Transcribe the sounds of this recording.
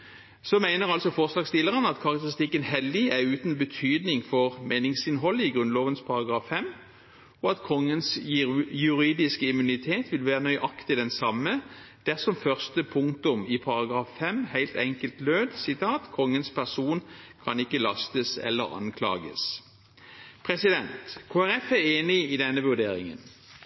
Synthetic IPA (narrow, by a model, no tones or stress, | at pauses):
sɔmæɪnəʁɑlsɔfoːʁslɑːɡst̪ɪlːəʁənɑt̪kʰɑʁɑk̚t̪əʁɪst̪ɪkːənhɛlːɪæʁʉːt̪n̩bət̪ʰyːd̪nɪŋfɔʁmeːnɪŋsɪnɦɔlːəɪɡʁʉnloːʋənspʰɑɾɑɡʁɑːfːɛm | ɔɑt̪kʰɔŋːənsjʉʁiːd̪ɪskəɪmʉnɪt̪ʰeːt̪ʋɪlʋæːʁənœʏʔɑkt̪ɪd̪ɛnsɑmːəd̪̥æʁsɔmfœʁst̪əpʰʊŋt̪ʊmɪpʰɑɾɑɡʁɑːffɛmhæɪlt̪ɛŋkəlt̪løːd̪sɪt̪ʰɑːt̪kʰɔŋːənspʰæʁsuːnkʰɑnɪkːəlɑst̪əsɛ̰lːə̰ʁɑ̰nkʰlɑ̰ːɡə̰s | pʰʁɛsɪd̪ɛnt̪kʰoːæʁɛfæʁeːnɪid̪ɛnːəʋʉʁd̪eːɾɪ̰ŋə̰n